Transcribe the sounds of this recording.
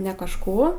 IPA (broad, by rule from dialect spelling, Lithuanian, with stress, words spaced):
nʲɛ kɐʃˈkuː